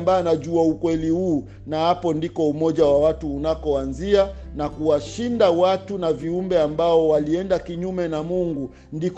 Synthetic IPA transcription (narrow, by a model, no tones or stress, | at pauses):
mbanaʄuaukwɛlihuː | nahapɔndikɔumɔʄawawatuːnakɔanzia | nakuwaʃindawatunaviumbɛambaɔwaliɛndakiɲumɛnamuŋɡu | ndik